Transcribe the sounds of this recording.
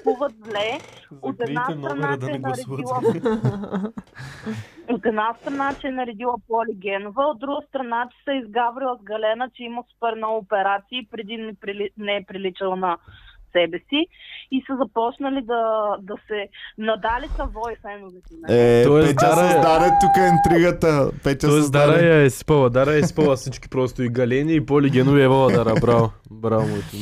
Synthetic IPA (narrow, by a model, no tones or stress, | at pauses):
kuvət̪vlɛot̪ɛd̪naɾɐnt͡ʃːdnɾɛillˠə | ot̪ɛd̪nast̪ɾɐnat͡ʃɛɛnɐɾɛd̪ilˠəpɔliɡʲɛnovəod̪̚d̪ɾuɡəst̪ɾɐnat͡ʃɛ̥sɐizɡabɾilˠəzɡɐlɛnət͡ʃɛiməsu̥pɛɾnɔopɛɾat̪siipɾɛd̪inɛpɾlinɛɛpɾilit͡ʃɐlˠənɐsɛbɛsiisɐzɐpɔt͡ʃnəlid̪ɐd̪ɐsɛnɐd̪alit̪ɐvɔjfɛnovit̪ɛnɛt̪ɔɛɛd̪aɾad̪aɾɛt̪ːukəint̪ɾiɡət̪əpɛt̪ʲɔɛsd̪aɾɐjaɛsi̥pɐlˠɐd̪aɾɐɛi̥pɐlˠɐsit͡ʃkʲi̥pɾɔst̪oiɡɐlɛniːpoliɡʲɛnoviɛvɐlˠɐd̪aɾɐbɾal | bɾalmoɛt̪o